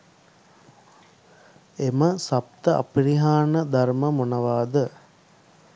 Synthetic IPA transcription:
eməsap̚t̪əʔɐ̰piɾiɦaːnəd̪aɾməmunɐʋaːd̪ə

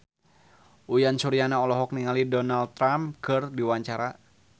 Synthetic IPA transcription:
ʔujansuɾianaɔlɔɦɔk̚niŋalidɔnalt̪ːɾamkɨrdiwaɲt͡ʃaɾa

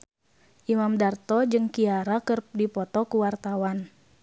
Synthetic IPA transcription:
ʔimamdart̪ɔd͡ʒɨŋkiaɾakɨrdipɔt̪ɔkuwart̪awan

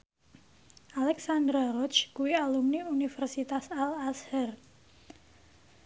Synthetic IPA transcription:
ʔalɛksand̪ɾaɾɔt͡ʃkuialumniunifɛrsit̪asalashɛr

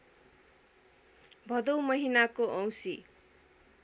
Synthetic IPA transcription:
bʱʌd̪ʌwmʌɦinakoʔʌ̃w̃si

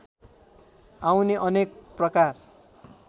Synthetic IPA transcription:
awneʔʌnek̚prʌkar

